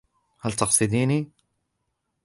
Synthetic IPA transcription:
hælt̪ɑqsˤɨd̪iːni

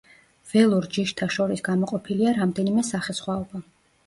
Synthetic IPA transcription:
v̥ɛlˠuɾd͡ʒiʃt̪ʰaʃɔɾisɡamɔqʼɔpʰiliaɾamd̪ɛnimɛsaχɛsχwaɔba

